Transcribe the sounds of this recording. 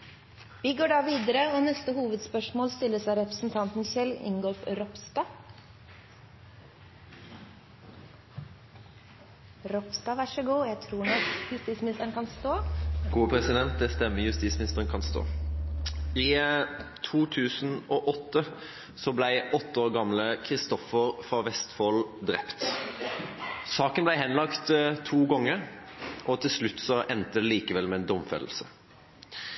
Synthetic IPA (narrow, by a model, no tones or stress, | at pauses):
ʋiːɡoːɖɑːʋiːd̪əɾəoːnɛst̪əhuːʋəd̪spœʂmoːlst̪ɪlːəsæɪɾɛpɾə̥sn̩t̪ʰɑnt̪n̩çɛlɪ̰ŋɡɔlfɾɔpst̪ɑ | ɾɔpst̪ɑːʋæʂəɡuːjæɪt̪ʰɾuːɳɔkjʉst̪iːtsmɪnɪst̪əɳkɑnst̪oːɡ̥uːpʰɾɛsɪd̪ɛnt̪̚d̪ɛst̪ɛmːəjʉst̪iːt̪smɪnɪst̪əʁənkʰɑnst̪o̰ː | ɪ | t̪ʰuːt̪ʰʉːsənɔʔɔt̪ːə | sɔblæɪʔɔt̪ːəoːɾɡɑmləkʰɾɪst̪ɔfəɾfɑʋɛst̪foːld̪ɾɛpt̪ | sɑːkənblæɪɦɛnlɑkt̪t̪ʰːuːɡɔŋːəɾʔɔt̪ʰɪlslʉt̪ːsɔʔɛnt̪əd̪ɛliːkəʋɛlmɛɛnd̪ɔmfɛ̰ll̩sə